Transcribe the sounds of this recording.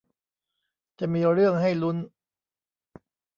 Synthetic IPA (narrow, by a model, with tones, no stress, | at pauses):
t͡ɕa˨˩miː˧ɾɯ˥˩əŋɦa˥˩jlu˦˥n